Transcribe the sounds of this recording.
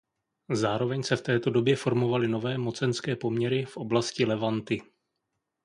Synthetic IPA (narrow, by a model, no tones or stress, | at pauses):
zaːɾo̞vɛɲsɛft̪ɛːt̪o̞do̞bjɛfo̞ɾmo̞valɪno̞vɛːmo̞t͡sɛnskɛːpo̞mɲɛɾɪfʔo̞blascɪlɛvant̪ɪ